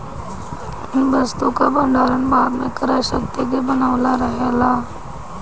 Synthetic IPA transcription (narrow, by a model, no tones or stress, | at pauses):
ɪ̃bɐst̪okabɐ̃nɖ̪aːɾənbaːd̪mẽkəɾaʃək̚t̪eɡebənaːʋlaɾəɦelaː